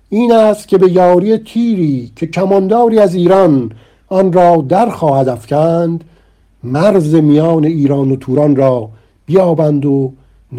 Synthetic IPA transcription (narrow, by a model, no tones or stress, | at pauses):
iːnæst̪cʰʲe̞be̞jɒːɾijet̪ʰiːɾiːcʰe̞cʰæmɒnd̪ɒːɾiːæziːɾɒn | ɒnrɒːd̪æɾxɒːhæd̪æfcʰænd̪ | mæɾze̞mijɒːne̞iːɾɒːnot̪ʰuːɾɒnrɒː | b̥ijɒːbænd̪o | n